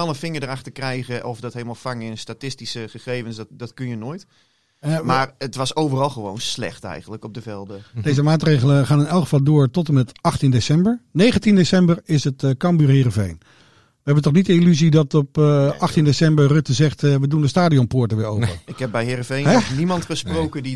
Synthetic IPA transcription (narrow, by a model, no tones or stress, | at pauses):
ɛlˠənfɪŋəɹdəɾaxtəɹkrɛjɣəʔɔfdɔtɦelˠmalˠfaŋɪnəstatɪstisəχəχejvənsddɔtkønjənoːjt | maːrətʋɑsowvərɑlˠχəʋo̰wnslɛ̰χtɛ̰jχən̩dləkɔb̚dəvɛlˠdədejzəmaːtrejɣələχaːnɪnɛlˠkχəvɑlˠdʊːɹtɔtəmɛtɑχtindesɛmbəɹnejχəntindesɛmbərɪsətkɑmbyːɹɦɪːrəvejn | ʋəɦɛbəntɔχnitəilyzidɑtɔpʔɑχtindesɛmbəɹrøtəzɛχtʋədundəstaːdiɔnpʊːɹtəʋɪːɹowpəɪkhɛb̚bɛjɦɪɾəvejnɛnimɑntbəsprowkədi